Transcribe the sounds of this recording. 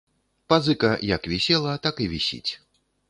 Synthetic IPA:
pazɨkɐjɐkvʲisʲɛlˠɐt̪akɨvʲisʲḭt͡sʲ

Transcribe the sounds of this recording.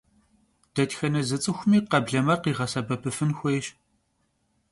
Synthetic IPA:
d̥ɐtxɐnɐzɨt͡sʼɨxʷʊmiːqɐbɮɐmɐrqiːʁɐsɐbɐpʰɨfɨnxʷejɕ

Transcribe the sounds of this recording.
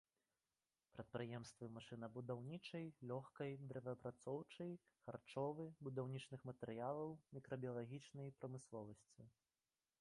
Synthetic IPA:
pɾɐt̪̚pɾɨjɛmst̪vɨmaʂɨnɐbud̪awnʲit͡ʂɐjlʲɔxkɐjd̪ɾɛvʲɐpɾat̪sɔwt͡ʂɐj | xart͡ʂɔvɨbud̪awnʲit͡ʂnɨxmɐt̪ɛɾɨjalˠɐwmʲikɾɐbʲijɐlˠaɣʲit͡ʂnɐjpɾɐmɨslˠɔvɐsʲt͡sʲi

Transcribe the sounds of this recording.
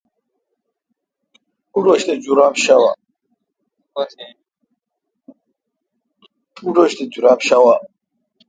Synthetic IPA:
uɾɔʃt̪ʰʼɛd͡ʒuɾapʃawa̰ | uɾɔʃt̪ʰɛd͡ʒuɾapʃawa

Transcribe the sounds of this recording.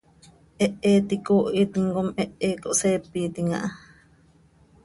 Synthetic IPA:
ʔeʔet̪ikoʔit̪iŋɡomeʔeːkoʔsepit̪iŋa̰ʔa

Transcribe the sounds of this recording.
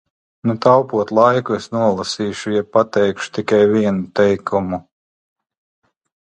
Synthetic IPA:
nut̪awpuɔt̪lˠajkuesnuɔlˠasiːʃujɛbpːat̪ɛjkʃu̥t̪ikajviɛnut̪ɛjkʰumu

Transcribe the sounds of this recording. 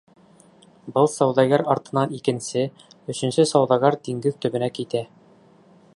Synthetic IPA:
bɤlˠsɒwd̪ɑɡɑɾɒɾt̪ɤ̆nɑnikɘ̆nsɘ | ɵ̆ɕɘ̆nsɘsɒwd̪ɑɡɑɾd̪iŋɡɘðt̪ɵ̆bɘ̆nækit̪æ

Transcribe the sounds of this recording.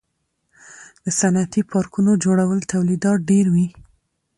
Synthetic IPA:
d̪̥əsanat̪ipʰɑɾkunod͡ʒoɽawəlt̪awlid̪ɑt̪̚ɖeɾwi

